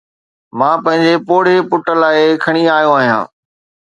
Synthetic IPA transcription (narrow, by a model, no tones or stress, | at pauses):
mãːpɐ̃ɦɪ̃ɲd͡ʑepoːɽ̤epʊʈəlaːekʰɐɽ̃iaːjõaːɦijã̰ː